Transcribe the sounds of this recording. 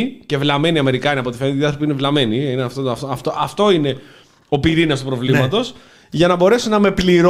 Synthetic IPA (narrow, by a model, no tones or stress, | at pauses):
ice̞vlɐme̞niɐme̞ɾikɐiniɐpo̞t̪ifent̪iɐθɾopiinevlɐme̞niineɐft̪ot̪ɐft̪oɐft̪oʔɐft̪o̞ine̞ | o̞piɾinɐst̪upɾo̞vlimɐt̪o̞s | ʝɐnɐbo̞ɾe̞sunɐme̞pliɾ